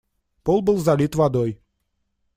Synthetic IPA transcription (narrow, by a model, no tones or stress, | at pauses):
polˠbɨlˠzɐlʲit̪vɐd̪oj